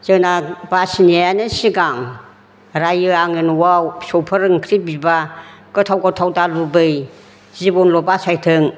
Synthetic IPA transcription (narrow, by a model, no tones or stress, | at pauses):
z̥ɯnabasinajanɯsiɡaŋ | ɾajɯaŋɯnwawsɔwpʰɯɾɯŋkʰɾibibaɡ̥ɯtʰawɡɔtʰawdalubɯj | zibɔnlɔbasajtʰɯŋ